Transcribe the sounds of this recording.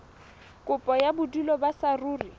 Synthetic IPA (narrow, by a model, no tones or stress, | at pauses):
kʼʊpʼɔjabʊdulɔbasaruːri